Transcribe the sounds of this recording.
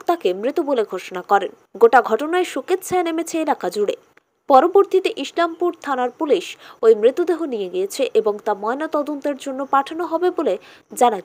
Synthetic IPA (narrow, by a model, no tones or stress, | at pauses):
t̪akemɾit̪uboleɡʱoʃonakɔɾen | ɡoʈaɡʱɔʈonaeʃuket̪t͡ɕʰaenemet͡ɕʰeelakad͡ʑuɽḛ | pɔɾoboɾt̪it̪eʔiʃlampuɾt̪ʰanaɾpuliʃojmɾit̪ːud̪eɦonijeɡijet͡ɕʰeʔeboŋt̪amɔenat̪ɔd̪ont̪eɾd͡ʑonːopaʈʰanoɦɔbebole | d͡ʑana